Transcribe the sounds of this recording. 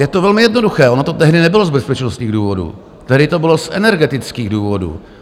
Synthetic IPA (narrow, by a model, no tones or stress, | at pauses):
jɛt̪ovɛlmɪjɛdnoduxɛːʔonot̪ot̪ɛɦdɪnɛbɪlozbɛspɛt͡ʃnost̪ɲiːɣduːvo̞dṵ | t̪ɛɦdɪt̪obɪlo̞sʔɛnɛɾɡɛt̪ɪt͡skiːɣduːvo̞dṵː